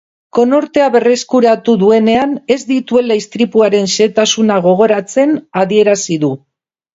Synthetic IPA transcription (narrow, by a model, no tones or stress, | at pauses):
ko̞no̞ɾt̪e̞aβe̞re̞skuɾat̪uðue̞ne̞ane̞zd̪it̪ue̞laist̪ɾipuaɾe̞nʃe̞t̪asunaɣ̞o̞ɣ̞o̞ɾat͡se̞naðie̞ɾasiðu